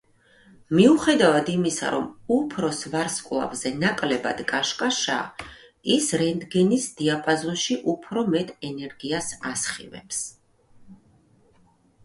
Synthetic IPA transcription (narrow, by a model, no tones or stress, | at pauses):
miuχɛd̪avad̪imisa̰ɾɔ̰mupʰɾɔsvaɾskʼlˠa̰vzɛnakʼlɛba̰d̪̥kʼaʃkʼaʃa̰ | isɾɛnd̪ɡɛnisd̪̥iapʼazɔnʃiʔupʰɾɔmɛt̪ʼʰɛnɛɾɡiasasχḭvɛ̰ps